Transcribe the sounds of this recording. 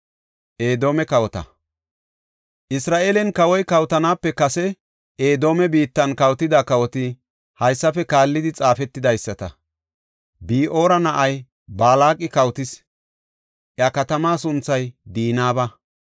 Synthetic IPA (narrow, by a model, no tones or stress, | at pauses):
ʔe̞ːd̪o̞ːmɛkɐwɔt̪ɐ̰ | ʔɪsɾaːʔeːlɛnkɐwɔjkɐwt̪ɐnaːpːɛkɐsɛ | ʔe̞ːd̪o̞ːmɛbiːt̪ːɐnkɐwt̪ɪd̪akɐwɔt̪ɪ | hɐjsːɐfɛkaːlːɪd̪ɪt͡sʼaːfɛt̪ːɪd̪ɐjsːɐt̪ɐ | biːʔo̞ːɾɐnɐʔɐj | baːlaːkʼːɪkɐwt̪ɪs | ʔjɐkɐt̪ɐmaːsʊnt͡sːɐjd̪iːnaːbɐ